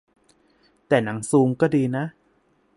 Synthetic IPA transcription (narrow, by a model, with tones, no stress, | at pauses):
t̪ɛː˨˩na˩˦ŋsuː˧ŋkɔː˥˩diː˧na˦˥ʔ